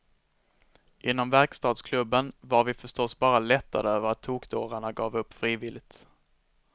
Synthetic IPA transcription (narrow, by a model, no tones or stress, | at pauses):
ʔɪnːɔmvæɾkst̪ɑːd̪skʰlɵbːənvaɾvɪfœʂʈɔsbɑːɾalɛt̪ʰːa̰d̪əøːvəɾat̪ʰːuːkd̪oːɾaɳaɡɑːvɵpːfɾiːvɪlɪt̪